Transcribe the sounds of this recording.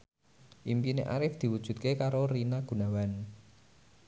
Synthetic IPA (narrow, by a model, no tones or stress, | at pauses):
ʔimpineʔa̰ɾɪfd̪̥i̤wud̥ʒ̥ṳt̪̚kekaɾoɾinaɡ̥ṳnawan